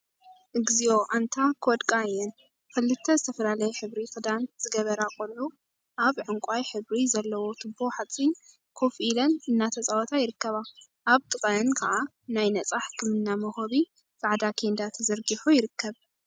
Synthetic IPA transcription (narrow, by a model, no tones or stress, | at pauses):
ʔɨɡzio̞ʔant̪ʰakʰɨwɔd̪kʼaɨjːɛn | kɨlːɨt̪ʰːɐzɨt̪ʰɐfɐlalɐjɛħɨβɾifɨd̪anz̥ɨɡɐβɐɾakʼolʕu | ʔaβʕɨŋkʷʼajħɨβɾizɐlːɐwo̞t̪ʰɨbːoħat͡sʼin | kʰo̞filɐnɨnːat̪ʰɐt͡sʼawɔt̪ʰajɪɾɨkʰːɐβa | ʔaβt̪ʰʼɨkʼɐɨnkʰɐʔa | najnɐt͡sʼaħkʰɨmɨnːamɐhoβi | kaʕd̪akʰend̪at̪ʰɐzɐɾɡiħujɪɾɨkʰːɐβ